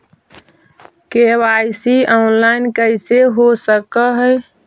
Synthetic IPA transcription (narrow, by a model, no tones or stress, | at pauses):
kebaɪsiɔnlaɪnkəɪseɦosəkəɦəj